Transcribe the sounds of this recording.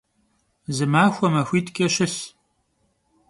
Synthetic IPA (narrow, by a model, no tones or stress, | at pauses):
zɨmaːxʷɔmɐxʷiːtʰkʼɐɕɪs